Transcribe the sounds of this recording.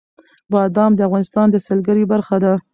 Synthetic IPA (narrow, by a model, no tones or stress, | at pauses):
bɑd̪ɑmd̪əavɣɑnɪst̪ɑnd̪əsəlɡaɾibaɾxad̪a